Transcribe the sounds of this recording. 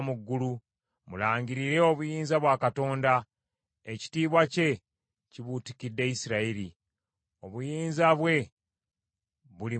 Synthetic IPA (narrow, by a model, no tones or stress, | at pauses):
muɡːulu | mulaːɲɟiɾiɾe̞o̞βujiːnzaβwaːkato̞ːnda | eci̥tiːβwace̞ | ciβutikidːe̞isiɾaiɾi | o̞βujiːnzaβwe̞ | βuli